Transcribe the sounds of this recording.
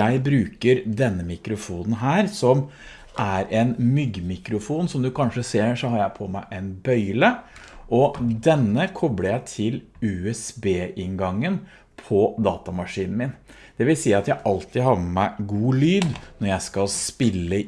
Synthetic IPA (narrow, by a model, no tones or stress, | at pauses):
æɪbɾʉːkəɾd̪ɛnːəmɪkɾʊfuːnn̩ɦæːɾsɔm | ʔæɾɛnmʏɡmɪkɾʊfuːnsɔmd̪ʉkʰɑnʂəseːɾʂɔhɑːɾjæɪpʰɔmæɪʔɛnbœʏlə | ʔɔd̪ɛnːəkʰɔbləjæɪt̪ʰɪl | ʉɛsbeːʔɪŋɡɑŋːən | pʰɔd̪ɑːt̪ɑmɑʂiːnn̩mɪn | d̪̥ɛʋɪlsiːɑt̪jæɪʔɑlt̪ɪd̪hɑːɾmɛmæɪɡuːlyːd̪nɔɾjæɪskɑlspɪlːə